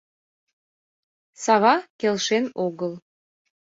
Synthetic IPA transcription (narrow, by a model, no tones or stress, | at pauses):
sɑβɑkelʃenoɣəl